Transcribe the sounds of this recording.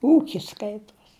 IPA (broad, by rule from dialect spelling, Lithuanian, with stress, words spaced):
ˈuːkʲɪs ˈskɐɪtuɔs